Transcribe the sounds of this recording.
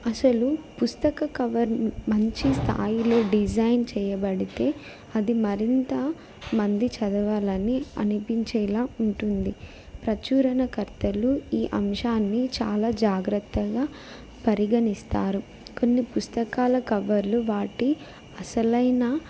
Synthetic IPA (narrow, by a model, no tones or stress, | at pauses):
ɐsɐlupust̪ɐkɐkɐʋɐɾmɐɲt͡ʃist̪ʰa̰ːjilo̞ːɖid͡ʒɐjnt͡ʃɛːjɐbɐɽit̪e̞ː | ɐd̪imɐɾint̪ɐ | mɐnd̪it͡ʃɐd̪ɐʋaːlɐnːiɐ̰nipiɲt͡ʃɛːlaːuɳʈund̪i | pɾɐt͡ʃuːɾɐnɐkɐɾt̪ɐluiːʔɐmʂaːnːit͡ʃa̰ːlaːd͡ʒaːɡɾɐt̪ːɐɡaː | pɐɾiɡɐnist̪aːɾu | ko̞nːipust̪ɐkaːlɐkɐʋɐɾluʋaːʈi | ɐsɐlɐjna